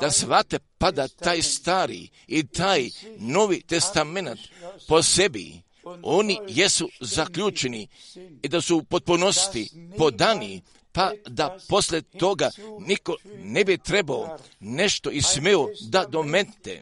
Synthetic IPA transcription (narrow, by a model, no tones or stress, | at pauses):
d̪̥asʋat̪epad̪at̪aːjst̪aːɾḭ | it̪aːjno̞ːʋit̪e̞st̪ame̞nat̪po̞sebḭ | o̞nijesuzakʎʲuːt͡ʃeniːd̪asupot̪̚punost̪ipo̞d̪ani | pad̪apo̞slʲet̪o̞ɡaniko̞ne̞bit̪ɾebao | ne̞ʃt̪o̞ismeod̪ad̪o̞met̪ḛ